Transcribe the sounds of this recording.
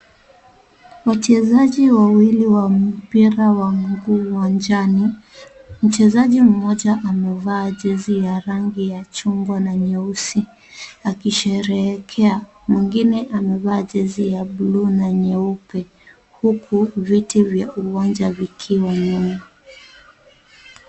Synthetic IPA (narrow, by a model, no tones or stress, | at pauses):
wat͡ʃɛzaʄiwawiliwam̩piɾawaŋɡuːwand͡ʒani | m̩t͡ʃɛzaʄim̩mɔʄaʔamɛvaːʄɛzijaɾaŋɡijat͡ʃuŋɡwanaɲɛusi | akiʃɛɾɛːkʰɛa | mwiŋɡinɛʔamɛvaːʄɛzijabluːnaɲɛupɛ | hukʰuvitivjaʔuwand͡ʒavikʰiwaɲɛna